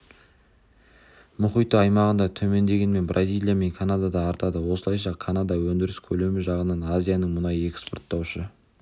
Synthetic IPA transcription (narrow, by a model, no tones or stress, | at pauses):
mʊχijt̪əɑjmɑʁənd̪ɑt̪ʰɵme̞nd̪e̞ɡʲenme̞nbrʔazʲijlˠijame̞ŋkʰanad̪ad̪ɑːɾt̪ɑd̪əwo̞səlˠɑjʃɑkʰanad̪ɑwɵnd̪ɪɾɪskʲʰɵle̞mɪʒɑʁənɑnazʲijanəɴmʊnɑje̞kspo̞ɾt̪ːɑwʃə